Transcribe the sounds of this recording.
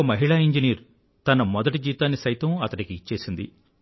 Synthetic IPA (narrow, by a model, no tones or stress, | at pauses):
ɐmɐɦiɭaːiɲd͡ʒiniːɾ | t̪ɐnɐmɔd̪ɐʈid͡ʒiːt̪aːnːisɐjt̪ɐmɐt̪ɐnikiːt͡ʃːe̞ːsind̪ḭ